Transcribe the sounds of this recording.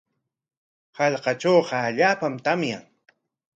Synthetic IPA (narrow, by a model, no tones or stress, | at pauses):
hɑʎqɑt͡ʃowqɑːʎaːpamt̪amjaŋ